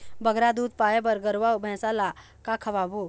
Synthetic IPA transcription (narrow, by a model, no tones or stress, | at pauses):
bəɡɾad̪uːd̪̚paːjebəɾɡəɾʋabʱɛ̃ːsala | kakʰəʋabo